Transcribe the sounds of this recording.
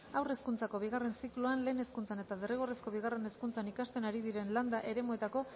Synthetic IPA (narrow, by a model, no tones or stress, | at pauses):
awre̞skunt͡sako̞β̞iɣare̞nsikluanle̞ːneskunt͡sane̞t̪aðereɣ̞o̞resko̞βiɣ̞are̞ne̞skunt͡sanikast̪e̞naɾiðiɾe̞nland̪aʔe̞ɾe̞moe̞t̪ako̞